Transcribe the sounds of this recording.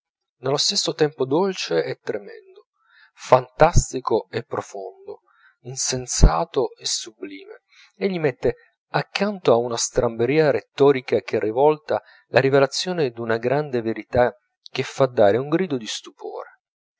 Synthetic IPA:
nelost̪esːot̪ɛmpod̪olt͡ʃeɛt̪ːɾemɛ̰nd̪o | fant̪ast̪ikoɛpːɾofond̪o | insensaːt̪oesːubliːmḛ | eʎːimɛt̪ːe | akːant̪oaunast̪ɾambeɾiːaɾet̪ːɔːɾikak̟erːivɔlt̪a | lʔaɾivelat̪sːjoːned̪unaɡɾand̪eveɾit̪a | k̟ːefːad̪ːaːɾeuŋɡɾiːd̪od̪ist̪upʰo̰ːɾe

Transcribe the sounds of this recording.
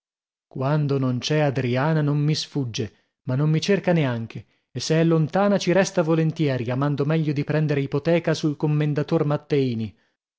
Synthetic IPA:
kwand̪onont͡ʃɛad̪ɾiaːnanommisfud͡ʒːe | manːomːit͡ʃerkaneaŋk̟ʰe | esːeɛlːont̪aːnat͡ʃiɾɛst̪avolent̪jɛːɾiamand̪omɛʎːod̪ipɾɛnd̪eɾeipot̪ɛːkasulkomːend̪at̪ormat̪ːeiːni

